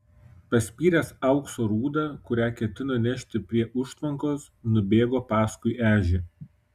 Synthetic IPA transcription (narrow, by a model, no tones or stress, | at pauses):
pɐsʲpʲiːɾʲɛsɐʊksoːɾuːd̪ɑːˑkʊɾʲæːkʲɛt̪ʲɪnonʲɛʃʲt̪ʲɪpʲɾʲiɛʔʊʃt̪ʋɐŋkoːs | nʊbʲeːɡoːpɑːskʊɪʔæːʒʲe